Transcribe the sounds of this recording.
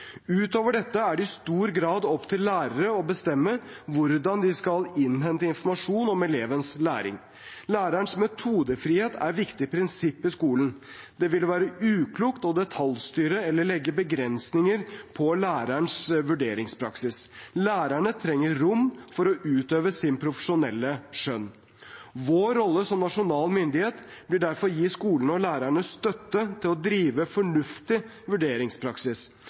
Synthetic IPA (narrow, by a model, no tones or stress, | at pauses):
ʉːt̪oːʋəɖɛt̪ːəæɖɪst̪uːɾɡɾɑːd̪ɔpt̪ʰɪlːæːɾəɾəɔbəst̪ɛmːəʋʊɾd̪ɑnd̪ɪskɑlɪnɦɛnt̪əɪnfɔɾmɑʂuːnɔmɛleːʋənslæːɾɪ̰ŋ | læːɾæɳsmɛt̪ʰuːd̪əfɾiːheːt̪ʰæ̰ɾʋɪkt̪ɪpʰɾɪnsɪpːɪskuːlən | d̪̥ɛʋɪlʋæːɾəʉːkʰluːkt̪ɔd̪ɛt̪ʰɑlst̪yːɾəɛlːəɭɛɡːəbəɡɾɛnsnɪŋəɾpʰɔlæːɾæɳsʋʉɖeːɾɪŋspʰɾɑksɪslæːɾæɳət̪ʰɾɛŋːəɾʊmːfɔɾɔʔʉːt̪øːʋəsɪnpʰɾʊfə̥ʂʊnɛlːəʂœn | ʋoːɾːɔlːəsɔmnɑʂʊnɑːlmʏnd̪ɪheːt̪b̥lɪɖæɾfɔɾjiɪːskuːlənɔlæːɾæɳəst̪œt̪ːət̪ʰɪlɔd̪ɾiːʋəfɔɳʉft̪ɪ | ʋʉɖeːɾɪŋspʰɾɑksɪs